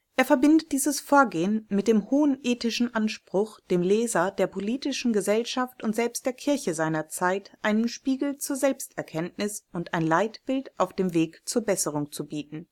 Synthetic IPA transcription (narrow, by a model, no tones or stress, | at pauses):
ʔʔeːɐfɛɐbɪndət̚d̥iːzəsfoːɐɡeːənmɪt̚d̥eːmhoːənʔeːtɪʃn̩ʔanʃpʁ̥ʊxd̥eːmleːzɐdeːɐpʰoliːtɪʃn̩ɡəzɛlʃaftʊntz̥ɛlpst̚d̥eːɐkʰɪɐçəzaɪnɐt͡saɪtʔaɪnənʃpiːɡl̩t͡suːɐzɛlpstʔɛɐkʰɛntnɪsʊntʔaɪnlaɪtb̥ɪltʔaʊfd̥eːmveːkt͡suːɐbɛsəʁ̞ʊŋt͡subiːt̚n̩